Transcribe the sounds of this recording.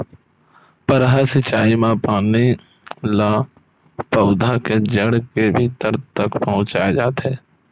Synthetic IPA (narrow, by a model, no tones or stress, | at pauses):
pəɾɦasɪt͡ʃaːimãpaːni | la | pɐʊd̪ʱaked͡ʒəɽkebʱiːt̪əɾt̪ɐkpɐɦʊ̃t͡ʃaːjad͡ʒaːt̪ɦɛː